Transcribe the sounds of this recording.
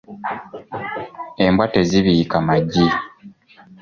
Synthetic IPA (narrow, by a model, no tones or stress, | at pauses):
e̞mbwateziβikamaɟi